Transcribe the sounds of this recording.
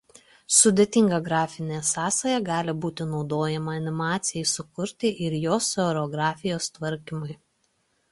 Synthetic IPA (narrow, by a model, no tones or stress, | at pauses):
sʊd̪ʲet̪ʲɪŋɡɐɡɾɑːfʲɪnʲeːsɑːsɐjɛɡɑːlʲɪbuːt̪ʲɪnɒʊd̪oːjɛmɐɐnʲɪmɑːt̪sʲɪjɛɪsʊkʊɾʲt̪ʲɪʔɪɾjoːsɔɾʲɔɡɾɑːfʲɪjoːst̪ʋɐɾʲkʲɪmʊɪ